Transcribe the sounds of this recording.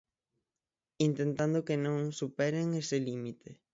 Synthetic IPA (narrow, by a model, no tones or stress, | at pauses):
int̪ẽnt̪and̪okenõŋsupɛɾeŋeselimit̪e